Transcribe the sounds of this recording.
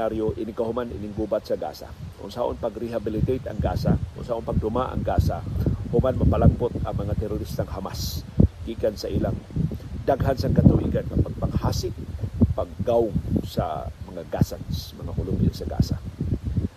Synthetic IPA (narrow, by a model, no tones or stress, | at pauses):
aɾjoʔɪnɪkahʊmanɪ̰nɪŋɡubat̪̚sɐɡa̰ːsa̰kʊ̰ŋsaʔo̰npɐɡɾɪɦabɪlɪt̪ejt̪ɐ̰ŋɡaːsakʊ̰ŋsaʔonpɐɡ̚d̪ʊmaʔɐ̰ŋɡaːsahʊmanmɐpɐlaŋbot̪ɐŋmɐŋat̪ɛɾʊɾist̪aŋhamasɡ̥ikansɐʔilaŋd̪aɡɦansɐŋkɐt̪ʊwḭɡankɐpɐɡ̚paŋhaːsɪʔ̚pɐɡ̚ːawŋsɐ̰mɐŋaɡa̰sansmɐŋakʊlʊmɪsɐɡa̰ːsa̰